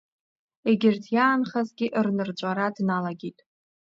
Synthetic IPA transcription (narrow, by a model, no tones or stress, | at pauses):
eɡʲɪrtʰjaːnχazɡʲɪʔrnɨrt͡ʃʷʼaɾadnalaɡʲitʼ